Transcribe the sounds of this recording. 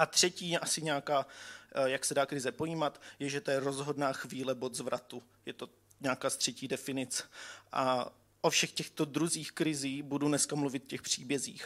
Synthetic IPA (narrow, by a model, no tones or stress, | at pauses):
ʔat̪r̝̥ɛciːjɛʔasɪɲaːkaːjaksɛdaːkɾɪzɛpojiːmat̪jɛʒɛt̪ojɛɾo̞zɦo̞dnaːxviːlɛbo̞t̪zvɾat̪u | jɛt̪o̞ | ɲaːkaːst̪r̝̥ɛciːdɛfɪnɪt͡sɛ̥ʔa | ʔofʃɛxcɛxt̪o̞dɾuziːxkɾɪziːbudunɛskamluvɪt̪̚cɛxpr̝̥iːbjɛzḭːx